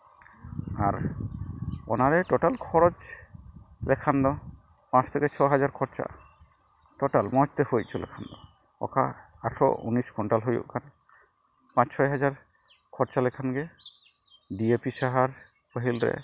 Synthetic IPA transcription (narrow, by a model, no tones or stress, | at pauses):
aɾ | ɔ̰naɾɛʈɔʈalkʰɔɾod͡ʒ | lɛkʰand̪ɔ | pãt͡ʃʰt̪ʰekɛt͡ʃʰɔɦad͡ʒaɾkʰɔɾt͡ʃa̰ | ʈɔʈalmɔt͡ʃt̪ehojt̚t͡ʃʰɔlɛ̰kʰand̪ɔ | ɔ̰kʰa | aʈʰɔ̰ṵniskʰɔɳʈalɦojṵʔkʰan | pãt͡ʃsʰɔjɦad͡ʒaɾ | kʰɔɾt͡ʃalɛkʰanɡɛ | ɖiepisaɦaɾ | pəɦilɾɛ̰